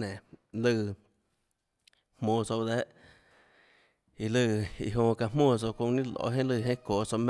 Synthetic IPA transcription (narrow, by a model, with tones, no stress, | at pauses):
nẽ˨lɨ˧˨ | hmõː˧˨so˧d̪ɛ˦ʔ | i˧lɨ˧˨i˧ɦõ˧ka˧mõː˧˨s̬o˧kõ˧nĩ˦lo̰˧˨˦ɦẽ˦lɨ˧˨ɦẽ˦koː˨so˧m